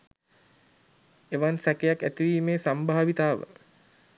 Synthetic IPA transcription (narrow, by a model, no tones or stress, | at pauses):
eʋansakejakːæ̰t̪iʋiːmeːsambaɦaʋit̪aːʋə̰